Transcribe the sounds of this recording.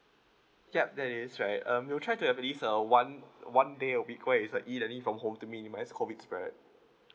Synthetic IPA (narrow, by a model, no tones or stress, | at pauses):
jɛp̚dɛtisɹaɪtʌ̃mwiltʰɹaɪtuhɛvəlisəwãnwãndeəwikʰweisəʔilɛ̃nĩfɹɔ̃mɦõmtuminimaɪskʰɔvitspɹɛ̰d̚